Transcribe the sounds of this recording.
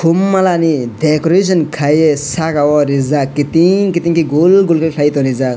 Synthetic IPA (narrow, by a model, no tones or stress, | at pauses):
kʰumːalanidekoɾes̬ənkʰajesakawɔɾizakit̪iŋkit̪iŋkiɡolɡulkʰekʰajt̪ɔɾiza